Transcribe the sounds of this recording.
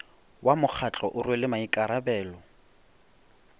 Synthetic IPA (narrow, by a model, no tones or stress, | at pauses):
wamʊk͡xʰat͡ɬʼɔʔʊrwelɪmaikʼaɾabɛːlɔ